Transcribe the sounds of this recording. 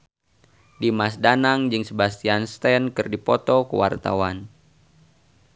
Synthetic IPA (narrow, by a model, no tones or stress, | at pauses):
dimasdanaŋd͡ʒɨŋsəbast̪ianst̪ɛnkɨrdipɔt̪ɔkəwa̰rt̪a̰wan